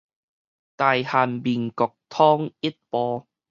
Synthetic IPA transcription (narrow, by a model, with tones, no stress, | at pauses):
t̪aː˨˧jhaː˨˩nmiː˨nkɔ˨k̚t̪ʰɔː˥ŋi˥t̚pɔː˧